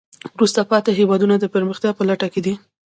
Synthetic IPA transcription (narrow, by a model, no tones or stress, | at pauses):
wɾust̪apɑt̪eɦewɑd̪unad̪əpəɾməxt̪jɑpəlaʈaked̪i